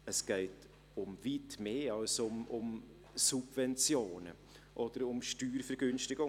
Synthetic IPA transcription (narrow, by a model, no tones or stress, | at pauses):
əsɡ̥ɛɪt | ʊmvitmeːɑlsʊmʊm | sub̥vɛnt͡sjoːnə̰ | ʔɔd̥əɾʊmʃtyːɾfɛɾɡ̥ʏnʃtɪɡʊ